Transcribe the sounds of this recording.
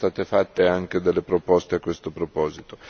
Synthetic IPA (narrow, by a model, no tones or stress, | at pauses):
t̪aːt̪efat̪ːeaŋk̟ed̪elːepɾopɔst̪eakːwest̪opɾopɔːzit̪o̥